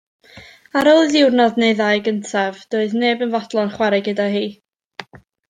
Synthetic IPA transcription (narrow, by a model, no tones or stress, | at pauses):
aɾɔlˠðɪwrnɔdnejðajɡəntʰavd̥oːɨðneːbənvɔd̥lˠɔnχwɛɾɨɡədaɦiː